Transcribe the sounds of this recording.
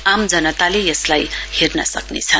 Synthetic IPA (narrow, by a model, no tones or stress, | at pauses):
amd͡zʌnʌt̪alejʌslajhernʌ̰sʌ̰knḛt͡sʰʌn